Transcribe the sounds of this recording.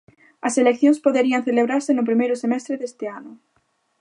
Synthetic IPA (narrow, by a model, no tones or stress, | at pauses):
ɐselekθjõŋspoðeɾiaŋθeleβɾaɾsenʊp̬ɾimejɾʊsemɛst̪ɾeðest̪ɪanʊ